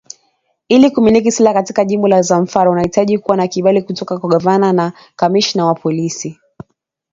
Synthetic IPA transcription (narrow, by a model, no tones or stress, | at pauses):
ilikuminikisilakatikaʄimbɔlazaɱ̩faɾaunahitaʄikuwanakiɓalikutɔkakwaɠavanana | kamiʃnawapɔlisi